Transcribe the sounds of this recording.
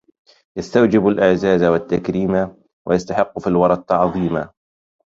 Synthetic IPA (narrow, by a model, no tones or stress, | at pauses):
jast̪awd͡ʒɪbalʔɪʕzaːzawat̪ːakɾiːma | wʔa̰jast̪aħɪqːfilwɑɾˤɑt̪ˤʕɑðˤiːma